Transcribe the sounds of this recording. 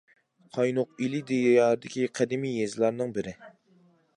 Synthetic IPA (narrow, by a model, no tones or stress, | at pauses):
qʰɑjnʊqilɪd̪ejjɑːɾɨd̪ɪkʲiqʰɛd̪ɪmijezɪlˠɑɾnɨŋbɪɾɪ